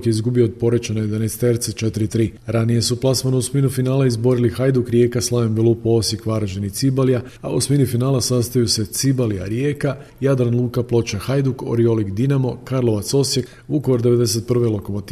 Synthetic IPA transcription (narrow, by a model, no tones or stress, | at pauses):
kizɡubio̞ːd̪̚po̞ɾet͡ʃenojed̪anest̪eɾt̪set͡ʃet̪iɾit̪ɾiːɾanije̞suplˠasmanousminufinaːlˠaizbo̞ɾilixajd̪ukɾje̞ːkaslˠaʋembilˠupoo̞sjekʋaɾaʒe̞nit̪sibalija | a̰usminifinaːlasast̪ajuse̞t̪sibalija̰ɾjeka | jad̪ɾanlˠuːkaplˠo̞t͡ʃaxajd̪uko̞̰ɾio̞likd̪inamo̞kaɾlˠo̞ʋat̪so̞sje̞k | ukoʋoɾd̪ee̞d̪e̞s̬e̞t̪̚pr̩ʋelˠo̞ko̞mot̪